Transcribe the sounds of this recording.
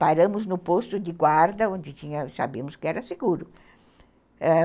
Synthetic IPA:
paɾɐ̃mʊznʊpost̪ʊd̪ɪɡwaɾd̪ɐõnd͡ʒ̪ɪt͡ʃ̪ĩɲɐsa̰biɐmʊskɪɛɾɐseɡuɾʊ | ɛ

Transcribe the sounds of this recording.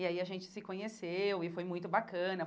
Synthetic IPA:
ɪaiɐʒẽnt͡ʃɪ̥sɪkõɲesewɪfojmũj̃t̪ʊbakɐ̃nɐ

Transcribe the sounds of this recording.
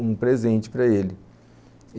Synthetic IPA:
ũpɾezẽnt͡ʃɪ̥pɾɐelɪ

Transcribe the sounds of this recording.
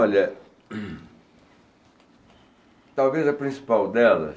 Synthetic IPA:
ɔʎɐ | t̪awvezɐpɾĩsi̥pawd̪ɛlɐ̰

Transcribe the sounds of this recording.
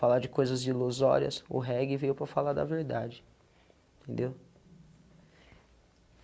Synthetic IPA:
falaɾd͡ʒɪkojzɐziluzɔ̰ɾiɐ̰sʊ̰ɦɛɡɪvejʊpɾɐfalaɾd̪ɐ̰veɾd̪ad͡ʒɪ̃ | t̪ʰẽnd̪ew

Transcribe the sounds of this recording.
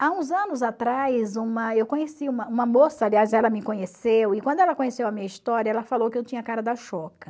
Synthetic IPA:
aũzɐ̃nʊzat̪ɾajzũmɐewkõɲesiũmɐũmɐmosɐaliazɛlɐmɪkõɲesewɪkwɐ̃d̪ʊɛlɐkõɲesewɐmĩɲɐist̪ɔɾjɐɛlɐfalowkɪewt͡ʃĩɲɐkaɾɐd̪ɐʃɔkɐ

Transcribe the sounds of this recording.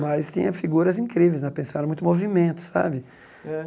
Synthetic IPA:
mɐjst̪ḭ̃ɲɐ̃fiɡuɾɐzĩkɾivejznɐ̃pẽsaɾɐ̃mũj̃t̪ʊmovimẽnt̪ʊ̥sa̰bɪ | ɛ

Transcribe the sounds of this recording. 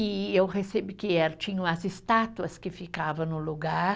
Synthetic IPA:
ɪewhesebɪkɪɛɾt͡ʃĩɲɐ̃ɐzɪst̪at̪uɐskɪfikavɐ̃nʊluɡaɾ

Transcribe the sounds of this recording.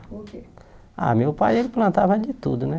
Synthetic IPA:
oe | a̰mewpajelɪplɐ̃nt̪avɐd͡ʒɪt̪ud̪ʊnɛ

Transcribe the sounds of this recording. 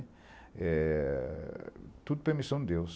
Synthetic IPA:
ɛ | t̪ud̪ʊpeɾmisɐ̃w̃d̪d̪ews

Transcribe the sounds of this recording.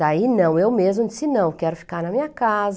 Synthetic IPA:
ainɐ̃w̃ewmezmʊd͡ʒɪsɪnɐ̃w̃kɛɾʊfi̥kaɾnɐmĩɲɐkaz

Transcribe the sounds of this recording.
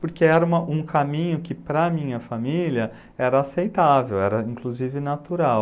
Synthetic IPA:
poɾkeɛɾɐũmɐʔũkʰamĩɲʊkɪpɾɐmĩɲɐfamiliɐ | ɛɾɐasejt̪avewɛɾɐĩkluzivɪnat̪uɾaw

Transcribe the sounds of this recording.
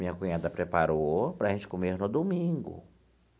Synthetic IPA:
mĩɲɐkũɲãd̪ɐpɾepaɾopɾɐʒẽnt͡ʃɪ̥komeɾnʊd̪omĩɡʊ̰

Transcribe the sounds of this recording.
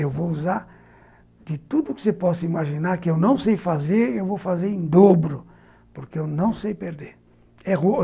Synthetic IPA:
ewvowuzaɾ | d̪̥ɪt̪ud̪ʊkɪ̥sepɔsɐimaʒinaɾkɪewnɐ̃w̃sejfazeɾewvowfazeɾẽd̪obɾʊ | poɾkɪewnɐ̃w̃sejpeɾd̪eɾ | ɛo

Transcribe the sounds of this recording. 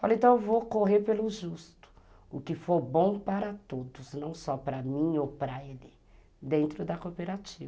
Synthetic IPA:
falẽnt̪ɐ̃w̃ewvokoɦeɾpelʊʒust̪ʊ̥ | ʊkɪfoɾbõw̃paɾɐt̪od̪ʊznɐ̃w̃sɔpɾɐmĩowpɾaed̪ɪ | d̪ẽnt̪ɾʊd̪ɐkopeɾat͡ʃivɐ

